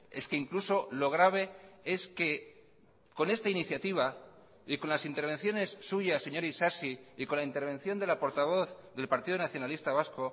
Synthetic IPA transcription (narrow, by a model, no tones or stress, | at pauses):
e̞̰ske̞iŋkluso̞lo̞ɣ̞ɾaβ̞e̞e̞ske̞ | ko̞ne̞st̪ainiθjat̪iβ̞a | iko̞nlasint̪eɾβ̞e̞nθjo̞ne̞sːuʝasːe̞ɲo̞ɾisasiiko̞nlaint̪e̞ɾβ̞e̞nθjo̞nd̪e̞lapo̞ɾt̪aβ̞o̞θðe̞lpaɾt̪iðonaθjo̞nalist̪aβasko̞